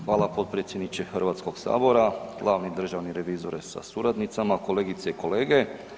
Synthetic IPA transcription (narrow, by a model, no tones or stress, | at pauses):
xʋaːlˠapo̞t̪̚pɾet̪sjed̪nit͡ʃexrɾʋaːt̪sko̞ɡsa̰ːbo̞ɾaɡ̥lˠaːʋnid̪r̩ʒaʋniɾe̞ʋiːzoɾesa̰suɾad̪nit̪samako̞leːɡit̪seiko̞leːɡe